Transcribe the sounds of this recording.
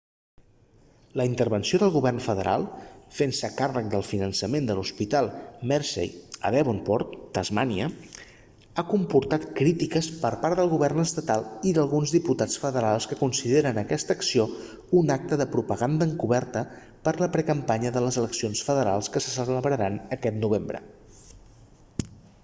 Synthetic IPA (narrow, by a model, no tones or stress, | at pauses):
ləint̪ərβənsioðəlˠɣuβɛrnfəðəɾʔa̰lˠfensəkarək̚d̪əlˠfinənsəmend̪əluspit̪alˠmɛɾsḛjə̰ðɛβonpɔɾt̪ːəzmaniə | akumpuɾt̪at̪kɾit̪ikəspəɾpaɾðəlˠɣuβɛrnəst̪ət̪alˠiðəlˠɣunzðiput̪at͡sfəðəɾalˠskəkunsiðeɾənəkɛst̪əksio | unak̚t̪əðəpɾupəɣand̪əːŋkuβɛɾt̪ə | pəɾləpɾəkəmpaɲəðələzələksionsfəðəɾalˠskəsəsələβɾəɾanəkɛt̪nuβ̞embɾə̰